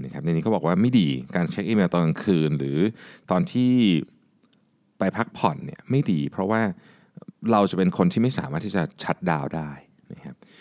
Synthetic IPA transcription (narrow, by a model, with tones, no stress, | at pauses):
na˦˥kʰa˦˥ja˨ŋniː˦˥a˦˥bɔː˨˩kwaː˥˩ma˥˩jdiː˧kaː˧nt͡ɕʰɛ˦˥k̚ʔiː˧me˧wt̪ɔ˧ŋʔa˧ŋkʰɯː˧nɾɯː˩˦t̪ɔː˧nt̪ʰiː˥˩ | pa˧jpʰa˦˥k̚pʰɔ˨˩nːi˥˩ɐma˥˩jdiː˧pʰɾɔ˦˥waː˥˩ | ɾa˧wt͡ɕa˨˩pe˧nkʰo˧nt̪ʰiː˥˩ma˥˩jsaː˨˦maː˥˩t̪ːʰiː˥˩t͡ɕa˨˩t͡ɕʰa˦˥t̪̚daː˧wdaː˥˩j | na˦˥kʰa˦˥p̚